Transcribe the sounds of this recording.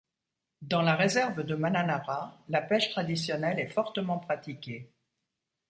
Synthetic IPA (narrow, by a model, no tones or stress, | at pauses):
d̪ɑ̃laʁezɛʁvəd̪əmananaʁalapɛʃt̪χad̪isjɔnɛlɛfɔʁt̪əmɑ̃pχat̪ikʲe